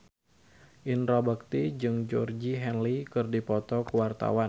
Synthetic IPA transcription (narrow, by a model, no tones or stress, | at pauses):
ʔinɾabak̚t̪id͡ʒɨŋd͡ʒɔrd͡ʒiɦɛnlikɨrdipɔt̪ɔkuwart̪a̰wan